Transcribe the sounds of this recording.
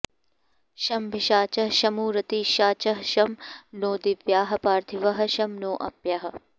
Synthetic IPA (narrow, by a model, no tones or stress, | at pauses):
ʃɐmbʱiʃaːt͡ʃɐɦʃɐmuːɾɐt̪iːʃaːt͡ʃɐɦɐʃɐmnoːd̪iʋjaːɦɐ̆paːɾt̪ʰiʋɐɦɐ̆ʃɐmnoːʔɐpjɐɦɐ̆